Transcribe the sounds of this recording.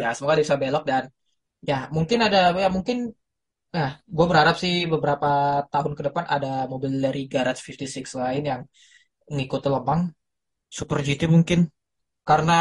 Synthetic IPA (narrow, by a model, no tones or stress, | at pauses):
jasəmoɡadibisabelɔk̚dan | jamuŋkɪnadajamuŋkɪn | jaɡuabəɾhaɾap̚sɪhbəbəɾapat̪aɦʊnkədəpanʔa̰damobilːəɾiɡaɾat̪̚fift̪isɪkslaɪnjaŋ | ŋikʊt̪ləbaŋ | supərd͡ʒit̪imuŋkɪn | kaɾəna